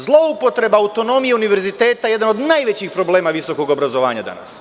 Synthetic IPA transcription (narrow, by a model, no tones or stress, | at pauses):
zlˠo̞upo̞t̪ɾe̞baawt̪o̞no̞mijeuniʋe̞ɾzit̪e̞ːt̪aje̞d̪ano̞d̪najʋet͡ɕixpɾo̞ble̞ːmaʋiso̞ko̞ɡo̞bɾazo̞ʋa̰ːɲa̰d̪a̰na̰s